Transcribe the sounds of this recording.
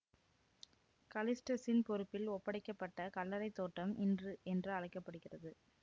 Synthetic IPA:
kɐlɪsʈɐsɪnpɔɾɯpːɪlɔpːɐɽɪkːɐpːɐʈːɐkɐlːɐɾɐɪt̪ːoːʈrɐmʔɪndrɯʔɛndrɯɐɻɐɪkːɐpːɐɽɯɣɪrɐðɯ

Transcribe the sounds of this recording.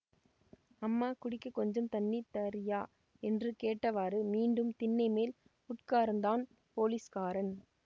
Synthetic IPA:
ɐmːaːkʊɽɪkːɐkːɔɲd͡ʒɐmt̪ɐnːit̪ɐɾɪjaː | ɛndrɯkeːʈːɐʋaːɾɯmiːɳɖɯmt̪ɪnːɐɪmeːl | ʊʈkaːɾɐnd̪aːn | poːliskaːɾɐn

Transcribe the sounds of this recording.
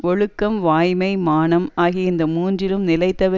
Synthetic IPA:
ɔɻɯkːɐmʋaːjmɐɪmaːnɐmaːɣɪɪnd̪ɐmuːndrɪlɯmnɪlɐɪt̪ːɐʋɐ

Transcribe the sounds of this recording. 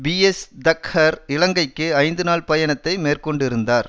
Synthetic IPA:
biɛsd̪ɐkhɐɾɪlɐŋɡɐɪkːɯɐɪnd̪ɯnaːɭpɐjɐɳɐt̪ːɐɪmeːrkɔɳɖɪɾɯnd̪aːɾ

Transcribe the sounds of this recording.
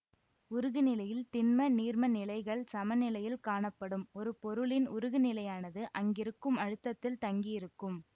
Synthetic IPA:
ʊɾɯɣɯnɪlɐjɪlt̪ɪnmɐniːɾmɐnɪlɐɪɣɐɭsɐmɐnɪlɐjɪlkaːɳɐpːɐɽɯmɔɾɯpɔɾɯɭɪnʊɾɯɣɯnɪlɐjaːnɐðɯʔɐŋɡɪɾɯkːɯmɐɻɯt̪ːɐt̪ːɪlt̪ɐŋɡijɪɾɯkːɯm

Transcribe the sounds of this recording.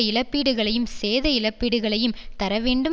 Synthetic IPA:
ɪɭɐpːiːɽɯɣɐɭɐjɯmseːðɐɪɭɐpːiːɽɯɣɐɭɐjɯmt̪ɐɾɐʋeːɳɖɯm

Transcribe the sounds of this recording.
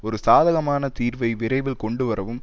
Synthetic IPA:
ɔɾɯsaːðɐɣɐmaːnɐt̪iːɾʋɐɪʋɪɾɐɪʋɪlkɔɳɖɯʋɐɾɐʋɯm

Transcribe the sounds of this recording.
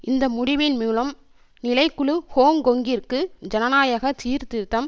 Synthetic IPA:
ʔɪnd̪ɐmʊɽɪʋɪnmuːlɐm | nɪlɐɪkːʊɭɯhoːŋɡɔŋɡɪrkɯd͡ʒɐnɐnaːjɐɣɐt̪iːɾt̪ɪɾt̪ːɐm

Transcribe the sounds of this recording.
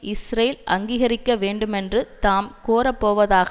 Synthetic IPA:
ʔɪsɾɐjɪlʔɐŋɡiːɣɐɾɪkːɐʋeːɳɖɯmɛndrɯt̪aːmkoːɾɐpːoːʋɐðaːɣ

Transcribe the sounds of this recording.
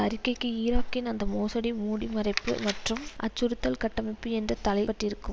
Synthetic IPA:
ɐɾɪkːɐɪkːɯiːɾaːkːɪnɐnd̪ɐmoːsɐɽimuːɽimɐrɐɪpːɯ̰mɐʈrɯmʔɐ̰t͡ʃːʊɾɯt̪ːɐlkɐʈːɐmɪpːɯɛndrɐt̪ɐlɐɪpɐʈrɪɾɯkːɯm

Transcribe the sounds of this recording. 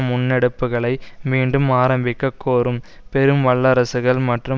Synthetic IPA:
mʊnːɛɽɯpːɯɣɐɭɐɪmiːɳɖɯmaːɾɐmbɪkːɐkːoːɾɯm | pɛɾɯmʋɐɭːɐɾɐsɯɣɐɭmɐʈrɯ

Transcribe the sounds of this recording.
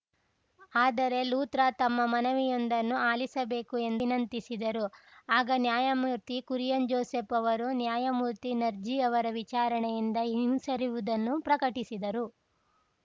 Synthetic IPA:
aːd̪ɐɾe̞luːt̪ɾɐt̪ɐmːɐmɐnɐʋijond̪ɐnːuaːlisɐbe̞ːkue̞nd̪inɐnt̪isid̪ɐɾuaːɡɐnjaːjɐmuɾt̪ikuɾjɐnd͡ʒɔːseːpɐʋɐɾunjaːjɐmuːɾt̪inɐɾd͡ʒiɐʋɐɾɐʋit͡ʃaːɾɐɳɛjind̪ɐɦiimsɐɾiʋud̪ɐnːupɾɐkɐʈisid̪ɐɾu

